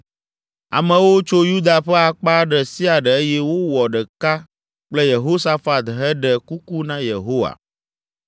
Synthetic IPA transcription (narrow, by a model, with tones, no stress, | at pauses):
a̰˨mɛ̃˨wo˦t͡ʃo˦ju˦d̪a˨ɸɛ˦a˨k͡pa˦ɖɛ˨si˦a˨ɖɛ˨e˦jɛ˦wo˦wɔ˨ɖɛ˨ka˦ | k͡plɛ˦je˨ɦo˦sa˦fa˨t̪ɦɛ˦ɖɛ˨ku˦ku˦nã˦je˨ɦo˦wa̰˨